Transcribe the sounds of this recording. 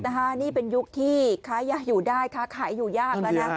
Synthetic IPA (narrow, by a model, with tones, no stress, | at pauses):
na˦˥kʰa˦˥niː˥˩pe˧nju˦˥k̚t̪ʰiː˥˩kʰaː˦˥jaː˦˩juː˨˩daː˥˩jkʰaː˦˥kʰaː˩˦jːuː˨˩jaː˥˩k̚laː˦˥na˦˥